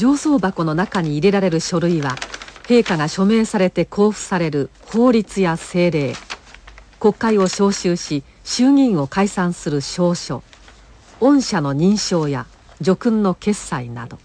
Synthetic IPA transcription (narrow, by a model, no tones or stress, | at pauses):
d͡ʑo̞ːso̞ːbako̞no̞nakaɲ̟iːɾe̞ɾaɾe̞ɾɯ̟ɕo̞ɾɯ̟iβahe̞ːkaɡaɕo̞me̞ːsaɾe̞t̪e̞kʰo̞ːɸɯ̟̥saɾe̞ɾɯ̟ho̞ːɾʲit͡sɨjase̞ːɾe̞ː | ko̞kːaio̞ɕo̞ːɕɨːɕi | ɕɨːɲ̟ʲĩɰ̃o̞kaisãɰ̃sɨɾɯ̟ɕo̞ːɕo̞̰ | õ̞ɰ̃ɕano̞ɲ̟ĩɰ̃ɕo̞ːja | d͡ʑo̞kɯ̟̃nːo̞ke̞sːaina̰d̪o̞